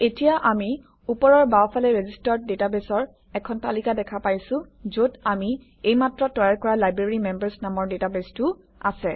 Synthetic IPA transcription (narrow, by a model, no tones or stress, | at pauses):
etijaʔami | upɔɹɔɹbaɔpʰalɛɹezistɔɹt̚detabesɔɹ | ɛkʰɔntalikadɛkʰapajsʊ̃zodami | ejmatɹɔtːɔjaɹkɔɹalajbɹeɹimɛmbaɹsnamɔɹdetabestʊ | a̰sɛ